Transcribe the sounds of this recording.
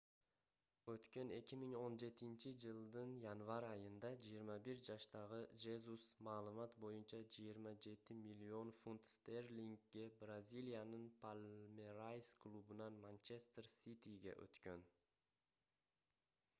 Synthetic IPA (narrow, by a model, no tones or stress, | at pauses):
øt̪kø̞ne̞kʲimiŋo̞nd͡ʒe̞t̪int͡ʃid͡ʒɯlˠd̪ɯnjanvɑɾɑjɯnd̪ɑd͡ʒijiɾmɑbiɾd͡ʒɑʃt̪ɑʁɯd͡ʒezusmɑːlˠɯmɑt̪bo̞junt͡ʃɑd͡ʒijiɾmɑd͡ʒe̞t̪ɪmilʲːio̞nfunt̪st̪erlʲiŋkɡe̞brazʲilʲijanɯnpʰalʲmeɾajsklˠubunɑnmant͡ʃest̪rsʲit̪iɡe̞̰ʔø̰t̪kø̞n